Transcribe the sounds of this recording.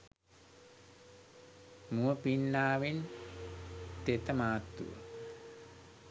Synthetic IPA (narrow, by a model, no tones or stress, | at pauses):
muəpinːaːʋin | t̪et̪əmaːt̪ːṵʋə̰